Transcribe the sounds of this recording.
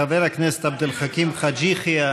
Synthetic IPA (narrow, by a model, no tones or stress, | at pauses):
aveɾaknese̥t̪ab̚d̪elχakimχad͡ʒiχia